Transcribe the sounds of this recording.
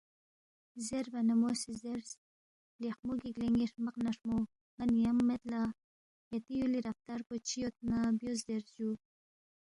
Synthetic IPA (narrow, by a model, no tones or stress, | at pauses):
zeɾvanamosizeɾs | lixmuɡiɡleŋɡiʂmaqnaʂmo | manjamːet̪la | jat̪ijuliɾaft̪aɾkot͡ʃijot̪̚nabjozeɾzu